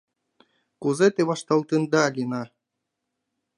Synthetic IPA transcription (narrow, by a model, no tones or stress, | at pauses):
kuzet̪eβɑʂt̪ɑlˠt̪ɯ̆nd̪ɑlʲinɑ